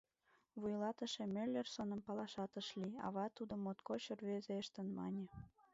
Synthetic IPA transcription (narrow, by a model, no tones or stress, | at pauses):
βujlɑt̪əʃemelʲersonəmpɑlɑʃɑt̪əʃliɑ̰βɑt̪ud̪omot̪kot͡ɕorβezeəʃt̪ənmɑ̰nʲĕ